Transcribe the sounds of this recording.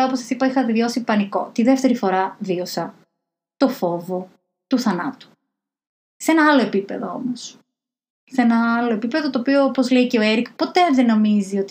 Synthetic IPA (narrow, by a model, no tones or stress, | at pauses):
ɐoposɐ̥sipɐixɐt̪eðjo̞sipɐniko̞̰t̪iðe̞ft̪e̞ɾifo̞ɾɐvio̞sɐ | t̪o̞fo̞vo̞ | t̪uθɐnɐt̪u̥ | seenɐɐlo̞e̞pipe̞̰ðoo̞̰mos | senɐɐlo̞epipe̞ðot̪oːpioopo̞zleiceoeɾikpo̞t̪e̞ðeno̞mizio̞t̪